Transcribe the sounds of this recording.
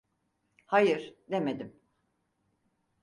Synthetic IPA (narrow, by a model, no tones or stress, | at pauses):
hajɯɾ̥d̪emed̪im